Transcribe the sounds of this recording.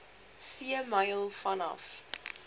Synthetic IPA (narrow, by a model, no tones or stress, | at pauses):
siəmɐjlˠfɐnɐ̰f